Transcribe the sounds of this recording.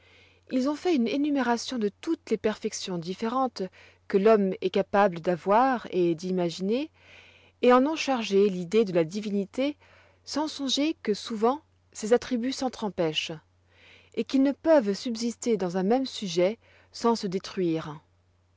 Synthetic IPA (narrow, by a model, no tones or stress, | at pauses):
ilzɔ̃fɛynenymeʁasjɔ̃d̪ət̪ut̪lepɛʁfɛksjɔ̃d̪ifeʁɑ̃t̪ | kəlɔmɛkapabləd̪avwaʁed̪imaʒineː | ɑ̃nɔ̃ʃaʁʒelid̪ed̪əlad̪ivinit̪e | sɑ̃sɔ̃ʒekəsuvɑ̃ | sezat̪χibysɑ̃t̪χɑ̃pɛʃ | ekilnəpəvsybzist̪ed̪ɑ̃zɛ̃mɛmsyʒɛ | sɑ̃səd̪et̪χɥiːʁ